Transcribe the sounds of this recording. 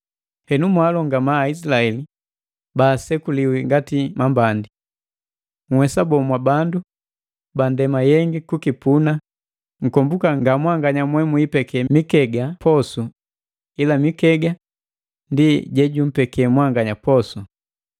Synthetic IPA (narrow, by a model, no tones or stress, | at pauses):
hɛnumwaːlɔŋɡamaːisilaɛli | baːsɛkuliwiŋɡatimambandi | ŋ̩wɛsabɔmwabandu | bandɛmajɛŋɡikukipuna | ŋ̩kɔmbukaŋɡamwaŋɡaɲamwɛmuipɛkʰɛmikɛɡapʰɔsu | ilamikɛɡa | ndiɟɛɟum̩pɛkɛmwaŋɡaɲapɔsu